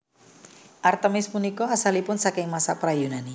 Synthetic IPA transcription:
ʔart̪əmɪsmunikɔasalipʊnsakɪŋmasapɾajunani

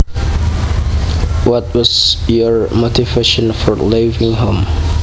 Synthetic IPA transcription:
wɔt̚wʌzjəɹmotʰiveʃə̃nfɔɹlevɪ̃ŋɦõm

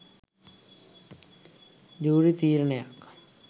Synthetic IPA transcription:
d͡ʒuːɽit̪iːɾneja̰k

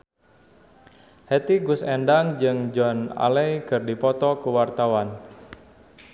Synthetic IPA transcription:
hɛt̪iɡʊsɛndaŋd͡ʒɨŋd͡ʒɔna̰lɛjkɨrdipɔt̪ɔkuwart̪awan

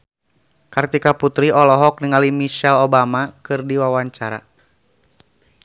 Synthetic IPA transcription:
kart̪ikaput̪ɾiɔlɔɦɔk̚niŋalimisalobamakɨrdiwawaɲt͡ʃaɾa̰

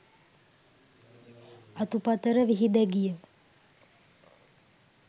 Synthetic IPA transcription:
ɐt̪upɐt̪əɾəʋiɦid̪ɛɡijə

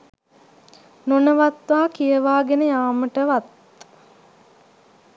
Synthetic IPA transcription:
nonəʋat̪ʋaːkijəʋaːɡenəjaːməʈəʋat̪̚

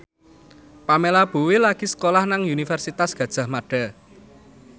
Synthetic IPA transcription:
pamelab̥uwelaɡ̥isə̥kolahnaŋunifɛrsit̪asɡ̥ä̤d̥ʒ̥a̤hmaɖ̥a̤

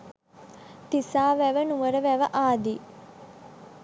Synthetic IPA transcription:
t̪isaːʋæʋənuʋəɾəʋæʋəʔaːd̪i

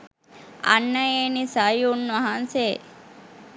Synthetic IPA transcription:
ɐ̰nːɐeːnisajunːɐɦanseː

